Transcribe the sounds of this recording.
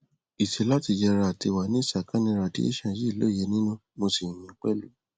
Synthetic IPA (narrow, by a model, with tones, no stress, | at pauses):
i˨ʃe˨˦la˦ti˧d͡ʒɛ˧ɾa˧˨ti˧wa˨nĩ˦˨sa˨ka˦nĩ˧ɾa˨dḭ˦ḭ˦ʃã˨ji˦˨lo˨˦˨jɛ˨˧˦nĩ˦nũ˦mo˧si˨mĩ˨˦k͡pɛ̰˦˨lu˨˦